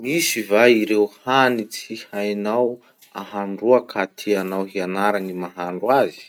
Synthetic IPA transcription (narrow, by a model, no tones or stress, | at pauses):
misivaiɾewhanit͡sihajnaw | aɦaɳɖ͡ʐuakʰat̪ʰianawɦianaɾanimaɦaɳɖ͡ʐwazi̥